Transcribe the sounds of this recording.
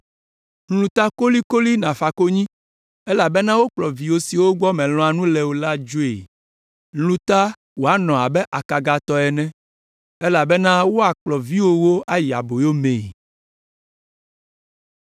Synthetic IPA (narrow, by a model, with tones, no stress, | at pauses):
n̩˦lũ˨t̪a˦ko˦li˦ko˦li˦nã˨fa˨ko˦ɲĩ˦ | ɛ˦la˨bɛ˦nã˦wo˦k͡plɔ˨vi˨wo˦si˨wo˦ɡ͡bɔ˦mɛ̃˨lɔ̃˨a˨nũ˦lɛ˨wo˨la˦d͡ʒo˦e˨ | n̩˦lũ˦t̪a˦ | wo˨a˦nɔ̃˨a˨bɛ˦ʔa˨ka˨ɡa˨t̪ɔ˨ɛ˨nɛ̃˦ | e˦la˨bɛ˦nã˦wo˦a˨k͡plɔ˨vi˦wo˦wo˦a˦ji˨a̰˨bo˨jo˦mẽ˨